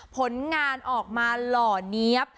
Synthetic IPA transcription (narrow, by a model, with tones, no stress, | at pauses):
pʰo˨˦nŋaː˧nʔɔː˨˩k̚maː˧lɔː˨˩ni˦˥əp̚